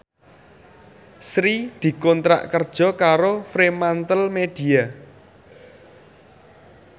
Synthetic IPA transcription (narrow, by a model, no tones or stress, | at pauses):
sɾid̪̥i̤kɔnt̪ɾa̰ʔkərd̥ʒ̥ɔ̤kaɾofɾemant̪əlmed̪̥i̤a